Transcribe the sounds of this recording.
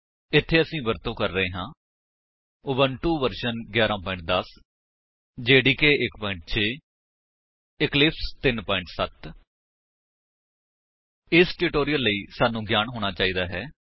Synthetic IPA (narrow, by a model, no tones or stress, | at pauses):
ɪt̪ʰːeːəsĩːbəɾt̪õːkəɾːəɦẽːɦãː | ʊbəɳʈuːʋəɾʃənɡjaːɾãːpɔːɪ̃ɳʈ̚d̪əs | d͡ʒeːɖiːkeːʔɪkpɔːɪɳʈ̚t͡ʃʰeː | ɪklɪpst̪ɪnpɔːɪ̃ɳʈsət̪ | ɪsʈuʈoːɾijəlːəiːsaːnũːɡjaːnɦoːɽ̃aːt͡ʃaːiːd̪aːɦɛː